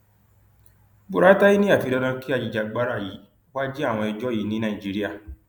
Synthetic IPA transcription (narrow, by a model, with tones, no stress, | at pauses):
bu˨ɾa˨˦ta˦ji˦nĩ˦a˦˨fi˧ɾɔ˧dã˧ki˦a˦˧˨d͡ʒi˨˧˨d͡ʒa˧ɡ͡ba˨˦ɾa˦˨ji˨˦ | wa˦d͡ʒi˦a˦˨w̃ɔ̃˧i˧d͡ʒɔ˦ji˨˦nĩ˨˦nã˦˨i˨d͡ʒi˨˦ɾi˦a˦˨